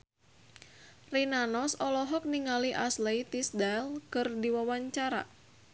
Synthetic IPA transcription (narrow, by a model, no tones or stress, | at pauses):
rinanɔsɔlɔɦɔk̚niŋaliʔasleit̪isdalkɨrdiwawaɲt͡ʃaɾa̰